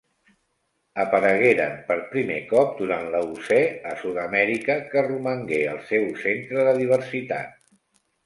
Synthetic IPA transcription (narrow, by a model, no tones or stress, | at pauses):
əpəɾəɣeɾəmpəɾpɾimḛkɔp̚d̪uɾanləusɛəsuðəmɛɾikəkəruməŋɡeəlˠsewsent̪ɾəðəðiβ̞əɾsit̪a̰t̪̚